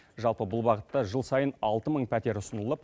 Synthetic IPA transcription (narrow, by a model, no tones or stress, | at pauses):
ʒɑlˠpəbʊlˠbɑʁət̪ːɑʒəlˠsɑjənɑlˠt̪əməɴpʰʲæt̪e̞ɾʊsənəlˠəp̚